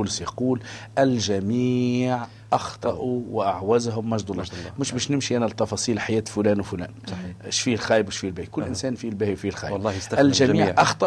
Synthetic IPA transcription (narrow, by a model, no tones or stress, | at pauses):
ulsjɑquːlʔælʒæmiʕ | ʔɑxt̪ˤɑʔuwʔaʕwæzɦʊmːæʒd̪ʊlːɑmʊʃbæːʃnɪmʃiʔænæt̪ːɑfɑsˤiːlħajæːt̪fʊlæːnwfʊlæ̰ːnʃfilxæːjəbwʃfilbæːikʊlːʔɪnsæːnfilbæːhiwfilxæːjlˤːɑːhjælʒæmiːʕʔɑxt̪ˤɑ